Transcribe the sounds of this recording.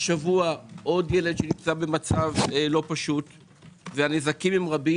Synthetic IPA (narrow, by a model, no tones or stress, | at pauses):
ʃavuaʔo̞dje̞le̞dʃenimt͡sabe̞mat͡savlo̞paʃut | veanezakimimʁabi